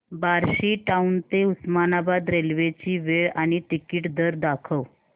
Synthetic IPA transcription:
baɾɕiːʈaunt̪eusmanabad̪ɾelʋet͡ɕiːʋeɭaɽ̃it̪ikiːʈd̪əɾd̪akʰəw

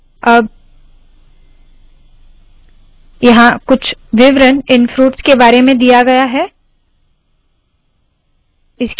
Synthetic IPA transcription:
ɐb̚ | jɐɦãkʊt͡ʃʰʋɪʋɾənɪnfɾuːʈskebaːɾemẽd̪ijaɡɐjaɦɛː | ɪsk

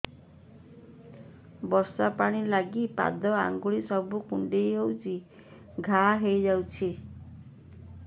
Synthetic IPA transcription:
bɔɾsapaɽ̃ilaɡipa̰d̪ɔa̰ŋɡuɭisɔbukuɳɖejɦewt͡ʃi | ɡʱaɦejd͡ʒawt͡ʃʰi

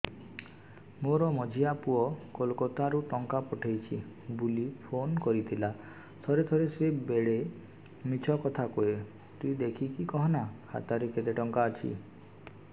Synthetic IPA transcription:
moɾɔmɔd͡ʒʱiapuɔkolkɔt̪aɾuʈɔŋkapɔʈʰejt͡ʃʰi | bulipʰonkɔɾit̪ʰila | t̪ʰɔɾet̪ʰɔɾesebeɭe | mit͡ʃʰɔkɔt̪ʰakoe | t̪uid̪ekʰikikɔɦɔnakʰa̰t̪aɾeket̪eʈɔŋkaːt͡ʃʰḭ

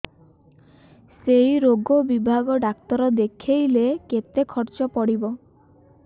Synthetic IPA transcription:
sejɾoɡɔbibʱaɡɔɖakt̪ɔɾɔd̪ekʰejleket̪ekʰɔɾt͡ʃɔpɔɽibɔ

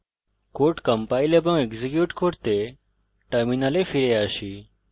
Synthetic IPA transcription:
koʈkəmpailebə̃ŋeɡzikjuʈkʰoɽt̪e | ʈəɾminalefiɾeaʃi

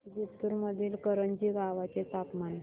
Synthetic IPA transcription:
bit̪uɾməd̪ʱiːlkəɾənd͡ʑiːɡaʋat͡ɕet̪apman

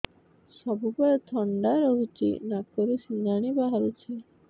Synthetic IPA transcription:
ʃɔbupɔɾet̪ʰɔɳɖaɾɔɦut͡ʃḭnakoɾusinaɽ̃ibaɦaɾut͡ɕʰi

